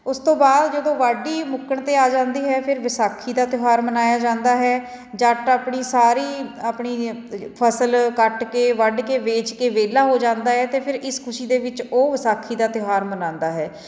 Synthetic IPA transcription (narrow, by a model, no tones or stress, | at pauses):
ʊst̪õːbaːd̪d͡ʒəd̪õːʋaɖiːmʊkəɳt̪eːaːd͡ʒãːnd̪iːɦɛːpʰɪɾʋɪsaːkʰːiːd̪aːt̪ɪɦaːɾmənaːjaːd͡ʒãːnd̪aːɦɛː | d͡ʒaʈaːpɳiːsaːɾiːaːpɳiːpʰəsəlkəʈkeːʋəɖkeːʋeːt͡ʃkeːʋeːlaːɦoːd͡ʒãːnd̪aːɦɛːt̪eːpʰɪɾɪskʰʊʃiːd̪eːʋɪt͡ʃoːʋɪsaːkʰiːd̪aːt̪ɪɦaːɾmənãːnd̪aːɦɛː